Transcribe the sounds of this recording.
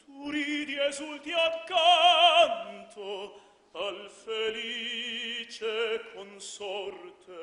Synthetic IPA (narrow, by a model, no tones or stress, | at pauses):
t̪ʰuɾid̪iezult̪iakːant̪ʰo | alfeliit͡ʃekʰonsɔrt̪ʰe